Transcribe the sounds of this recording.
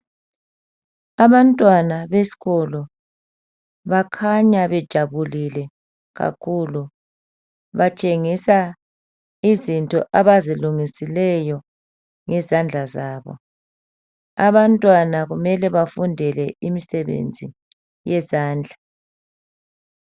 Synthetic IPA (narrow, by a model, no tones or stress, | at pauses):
aβantʼwanaβesi̥ɣɔlɔ | βakʰaɲaβɛd̥ʒ̥ʱaβulilɛ | ɣa̰kʰulu | βat͡ʃʼeŋisa | izintʼɔ̰ʔaβaziluŋisilɛjɔ | ŋɛzand͡ɮʱazaːβɔ̰ | aβantʼwanaɣumɛlɛβafundʱɛlɛimisɛβḛnd͡zʱḭ | jɛzaːnd͡ɮʱa